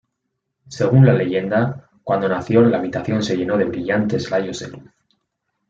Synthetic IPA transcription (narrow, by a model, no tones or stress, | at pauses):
se̞ɣ̞unlale̞ʝe̞nd̪a | kwand̪o̞naθjo̞laβit̪aθjo̞nse̞ʝe̞no̞ð̞e̞βɾiʝant̪e̞zlajo̞zðe̞̰luθ